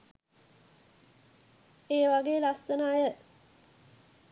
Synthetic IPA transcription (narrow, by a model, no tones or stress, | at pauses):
eːʋaɡeːlasənaːjə